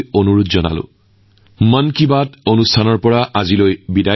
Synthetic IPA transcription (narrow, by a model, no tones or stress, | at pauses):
jonuɹut̪zɔna̰lʊ̰̃ | mənkibatonustʰanɔɹpɔɹaʔazilojbida